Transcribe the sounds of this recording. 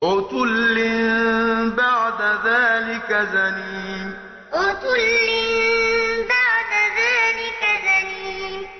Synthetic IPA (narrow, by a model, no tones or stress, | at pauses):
wʊt̪ʊlːɪmbaʕd̪aðaːlɪkazaniːm | wʊt̪ʊlːɪmbaʕd̪aðaːlɪkazaniːm